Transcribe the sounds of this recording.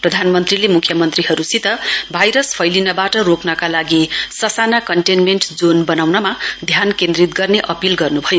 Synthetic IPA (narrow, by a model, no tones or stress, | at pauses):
prʌd̪ʱanmʌnt̪rilemukʰjʌmʌnt̪riɦʌɾusit̪ʌbʱajɾʌspʰʌjlinʌbaʈʌɾoknʌkalaɡisʌsanakʌɳʈenmenʈd͡zonbʌnawnʌmad̪ʱjankend̪rit̪̚ɡʌrneʔʌpilɡʌrnubʱʌjo